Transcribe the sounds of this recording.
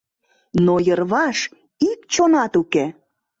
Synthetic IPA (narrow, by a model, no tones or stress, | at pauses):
nojərβɑʃ | ik̚t͡ɕonɑt̪uke